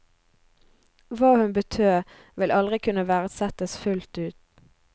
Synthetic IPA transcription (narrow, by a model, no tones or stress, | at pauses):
ʋɑːhʉnbət̪ʰøː | ʋɪlʔɑlʁɪkʰʉnəʋæːʁəsɛt̪əsfʉlt̪ʉːt̪